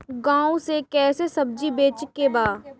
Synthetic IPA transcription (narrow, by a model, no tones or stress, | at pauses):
ɡãːõsekɛːsesɐb̚d͡ʒibeːt͡ʃkebaː